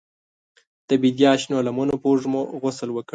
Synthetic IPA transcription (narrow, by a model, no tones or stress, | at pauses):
d̪̥əbid̪jɑʃnolamonopoʐmoɣʊsəlwəkɽ